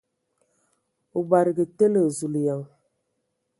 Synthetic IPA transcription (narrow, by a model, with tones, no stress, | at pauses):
u˨ɡ͡ba˨ɾɨ˨ɡə˨te˦lə˨zu˨li˨ja˨ŋ